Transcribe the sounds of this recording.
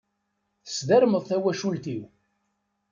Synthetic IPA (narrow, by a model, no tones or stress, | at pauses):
θə̥sðæɾməðˤθæwæʃult̪iw